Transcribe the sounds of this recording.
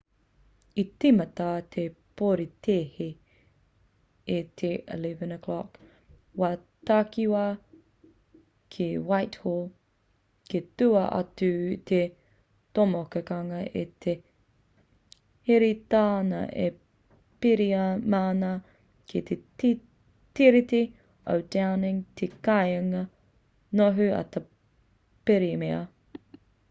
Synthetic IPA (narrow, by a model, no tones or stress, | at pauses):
itimɐtatʰepoɾitʰeːhi | et̪ʰeə̰livɐnəkʰlɔk | wa | takiwa | kʰiwajthol | ketuɐʔɐ̰tutʰe | tomokekɐŋɐʔit̪ʰe | heɾitaːnɐ̰ʔḛ | piɾiɐmaːnɐ | kʰit̪ʰet | tiɾiti | ʔo̰wdawnɪŋt̪ʰekajɐŋɐ | noɦʉɐ̰t̪ɐ | peɾimeɐ